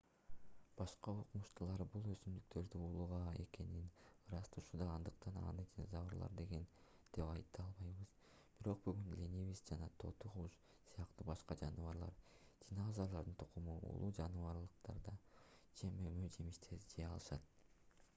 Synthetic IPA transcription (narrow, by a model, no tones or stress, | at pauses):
b̥ɑʃqɑoqumuʃt̪ulˠɑɾbulˠøsymd̪yk̚t̪e̞ɾd̪yulˠuʁɑe̞̰ke̞ninɾɑst̪ʰuʃud̪ɑːnd̪ɯqt̪ɑnɑ̰nɯd̪ʲinzɑβɯɾlˠɑ̰ɾd̪e̞ɡe̞nd̪̥e̞pɑjt̪ːɑlˠβɑjβɯz̥ | b̥iɾo̞q̚byɡynlʲenʲeβist̪d͡ʒɑnɑt̪ʰo̞̰t̪uʁuʃ | sɯjɑqt̪ubɑʃqɑd͡ʒɑnɯβɑɾlˠɑ̰ɾ | d̥̪ʲinazɑlˠɑɾd̪ɯnt̪ʰu̥qumuṵlˠud͡ʒɑnɯvɑɾlˠɯq̚t̪ɑ̰ɾd̪ɑt͡ʃʰe̞mømød͡ʒe̞miʃt̪ʰe̞ɾd͡ʒeɑ̰lˠɯʃɑt̪̚